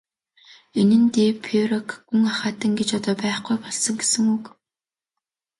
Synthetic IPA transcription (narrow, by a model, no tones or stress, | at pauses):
enɘ̆nt̪eːpʰeɾɔkʰːuŋaχaːt̪ə̆ŋɡet͡ɕɔt̪ɔːpæːχɡujpɔɮsɞ̆ŋɡesɘ̆ŋuk